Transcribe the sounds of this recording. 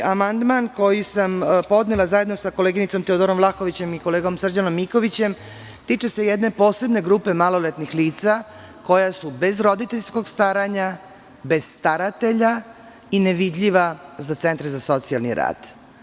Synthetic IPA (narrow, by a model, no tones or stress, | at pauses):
amand̪manko̞jisampo̞d̪nelazaje̞d̪no̞sako̞leɡinit̪so̞mt̪eo̞d̪oɾomvlˠaxo̞ʋit͡ɕe̞miko̞leːɡo̞msr̩d͡ʑanomːiko̞ʋit͡ɕe̞m | t̪iːt͡ʃe̞se̞jed̪ne̞po̞ːse̞bne̞ɡɾuːpe̞malolet̪nixliːt̪sa | ko̞jasube̞zɾo̞d̪it̪eʎsko̞ɡst̪aɾaɲa | be̞z̥st̪aɾat̪e̞ʎa | ineʋid̪ʎiʋazat̪se̞nt̪ɾezaso̞t̪sialnḭɾa̰ːd̪̥